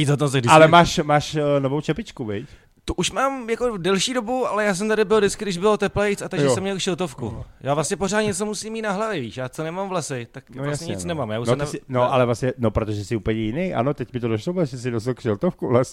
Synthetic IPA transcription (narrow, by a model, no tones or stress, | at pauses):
iːzat̪ot̪aɡdɪalɛmaːʃmaːʃnovowt͡ʃɛpɪt͡ʃkuvɛc | t̪uʔuʃmaːmjakodɛlʃiːdo̞buʔalɛjaːs̬ɛmt̪adɪbɪldɪt͡skɪɡɾdɪʒbɪlot̪ɛplɛjt͡sat̪aɡʒʒssɛmɲɛlkʃɛlt̪ofkujʔaːvlasɲɛpoɾaːt̪ɲɛt͡somusiːmiːt̪naɦlavjɛviːʃjaːt͡sonɛmamvlasɪt̪akvlasɲɛɲɪt͡snɛmaːmjaːusnoɛmanoʔalɛvlasɲɛnopɾot̪oʒɛsɪʔuːpəɲɛjɪnejʔa̰not̪ɛcmɪt̪odoʃlobdɛʒɛs̬ɪdosalkʃɛlt̪ofkuvlasɛ